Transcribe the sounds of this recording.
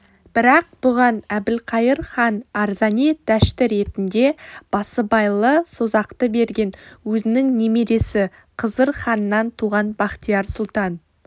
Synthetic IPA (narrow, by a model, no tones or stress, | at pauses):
b̥ɪɾɑq̚b̥ʊʁɑnæbɪlqʰɑjəɾχɑnɑɾzɑned̪̥æʃt̪ɪɾe̞t̪ɪnd̪e̞b̥ɑsəbɑjlˠəso̞zɑqt̪əbe̞ɾɡʲe̞nwɵzɪnɪŋne̞meɾe̞sɪ | qʰəzəɾχɑnənːɑnt̪ʰuʁɑnbɑqt̪ijɑɾsʊlˠt̪ɑn